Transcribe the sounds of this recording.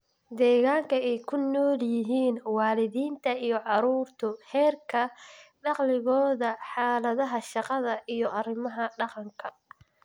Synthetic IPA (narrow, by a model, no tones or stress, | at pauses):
d̪ɛːɣaːŋkʰɐɛjkʰʊnːɔːljɪɦiːnwɑːlɪðiːnt̪ʰɐijɞʕɑɾuːrt̪ʰʊhɛːrkʰɐɖɑqlɪɣɔːðɐħɑːlɐðɐɦɐʃɑqɑðɐʔijɔʔɐrɪmɐɦɐɖɑqɑŋkʰɐ